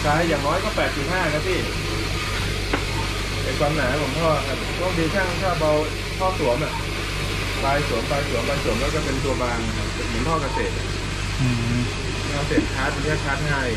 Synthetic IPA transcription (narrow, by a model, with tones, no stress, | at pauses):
saː˧jːaː˨˩ŋnɔː˦˥jkɔː˥˩pɛː˨˩t̪̚si˨˩p̪̚haː˥˩kʰa˦˥˩sʰiː˥˩ | a˧˩kwaː˧mnaː˩˦kʰɔ˨˩˦ŋpʰɔː˥˩˨ba˨˩plɔ˥˩ŋdiː˧kʰaː˥˩ŋ˦t̪ʰaː˥˩ba˧w | pʰɔː˥˩su˨˩˦əmʔa˨˩ | paː˧jsu˨˩˦əmpaː˧jsu˨˩˦mbaː˧jsu˨˩˦əmlɛː˦˩wkɔː˥˩pe˧nt̪u˧ɐbaː˧ŋ˨˩kʰa˦˥p̚ːa˨˩nmʰi˨˦pʰɔː˥˩ka˧seː˨˩t̪̚ʔa̰˨˩˥ | ɯː˧˩ | aː˧˥˩se˨˩t̪̚kʰaː˦˥t̪̚ːa˧˦kʰaː˥˩kʰaː˦˥t̪̚ɦaː˥˩j